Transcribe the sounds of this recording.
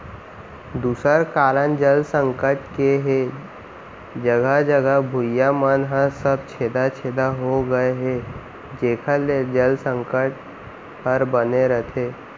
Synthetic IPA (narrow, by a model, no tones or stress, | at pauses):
d̪uːsəɾkaːɾənd͡ʒəlsə̃ŋkəʈkeɦe | d͡ʒəɡəd͡ʒəɡəbʱʊjamənɦəsəb̚t͡ʃʰeːd̪at͡ʃʰeːd̪aɦoɡəeɦe | d͡ʒeːkʰəled͡ʒəlsə̃ŋkəʈ̚ | pəɾbəneɾət̪ʰeː